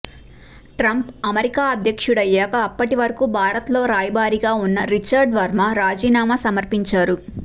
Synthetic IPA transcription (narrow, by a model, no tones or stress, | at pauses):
ʈɾɐmpɐmɐɾikaːɐd̪ʱjɐkʂuɽɐjːaːkɐːpːɐʈiʋɐɾɐkubʱaːɾɐt̪lo̞ːɾaːjbaːɾiɡaːunːɐɾit͡ʃːɐɾɖʋɐɾmaɾaːd͡ʒiːnaːmasɐmɐɾpiɲt͡ʃaːɾu